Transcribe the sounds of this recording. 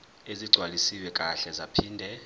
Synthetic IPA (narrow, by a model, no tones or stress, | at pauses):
eziɡ͡ǀʱwalisiwɛkʼaɬɛzapʰiːndʱɛ